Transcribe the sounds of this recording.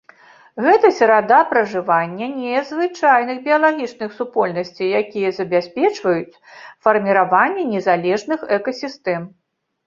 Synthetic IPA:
ɣɛt̪ɐsʲɐɾad̪apɾɐʐɨvanʲːɐnʲɛzvɨt͡ʂajnɨxbʲijɐlˠaɣʲit͡ʂnɨxsupɔlʲnɐsʲt͡sʲijjakʲijɐzɐbʲasʲpʲɛt͡ʂvɐjut͡sʲfɐrmʲiɾavanʲːɛnʲɛzalʲɛʐnɨxɛkɐsʲist̪ɛm

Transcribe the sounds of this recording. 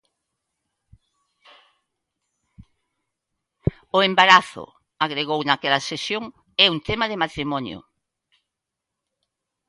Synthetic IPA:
ʊembaɾaθʊ̰ | aɣɾeɣownakɛlɐsesjoŋ | ɛunt̪emaðemat̪ɾimɔnjʊ̰

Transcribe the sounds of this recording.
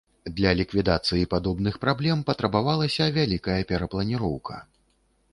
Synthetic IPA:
d̪lʲɐlʲikvʲid̪at̪sɨjipad̪ɔbnɨxpɾablʲɛmpɐt̪ɾɐbavalˠɐsʲɐvʲalʲikɐjɐpʲɛɾɐplˠɐnʲiɾɔwkʰɐ̰

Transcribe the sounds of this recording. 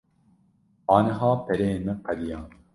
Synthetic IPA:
ɑːnɐɦɑːpɛɾemɛqɐd̪ijɑː

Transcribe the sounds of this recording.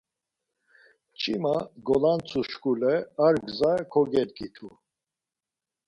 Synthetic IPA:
t͡ʃʼimaɡɔlant͡sʰuʃkulɛaɾɡzakʰɔɡɛɾkʰʼit̪ʰu

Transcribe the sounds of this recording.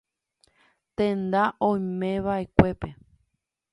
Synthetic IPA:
t̪ẽnd̪aʔõj̃mẽʋaʔekʷe̞pe

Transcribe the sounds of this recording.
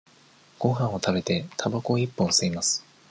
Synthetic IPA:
ɡ̥o̞ɦãɰ̃o̞t̪abe̞t̪e̞t̪ʰabako̞ipːõɰ̃seimasɨ̥

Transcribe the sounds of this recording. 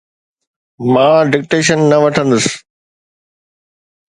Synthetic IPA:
mãːɖɪk̚ʈeːʃənːɐʋɐʈʰə̃nd̪əsɪ̥

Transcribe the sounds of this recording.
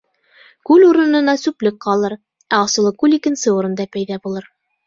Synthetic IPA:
kʉluɾɤ̆nɤ̆nɑsʉplɘk̚qɑlˠɤɾ | æɑsɤ̆lˠɤkʉlikɘ̆nsɘuɾɤ̆nd̪ɑpæjðæbulˠɤɾ

